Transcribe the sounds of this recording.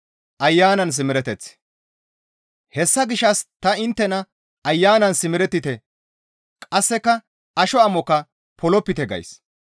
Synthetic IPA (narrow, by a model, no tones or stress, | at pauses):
ʔɐjːaːnɐns̬ɪmɪɾɛt̪ɛt͡sː | hɛsːɐɡɪʃɐst̪ɐɪnt̪ːɛnɐ | ɐjːaːnɐnsɪmɪɾɛt̪ːɪt̪ɛ | kʼɐsːɛkːɐ | ɐʃɔɐmɔkɐ | pʰɔlɔpːɪt̪ɛɡɐ̰js